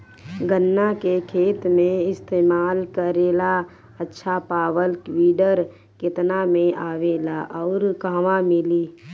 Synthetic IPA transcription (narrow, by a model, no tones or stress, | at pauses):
ɡənːakekʰeːt̪mẽɪst̪eːmaːlkəɾeːla | ətːʃʰapaːwəlkwiːɖəɾ | kɪt̪namẽʔaːʋeːlaʔɔːɾɡaːʋãmɪliː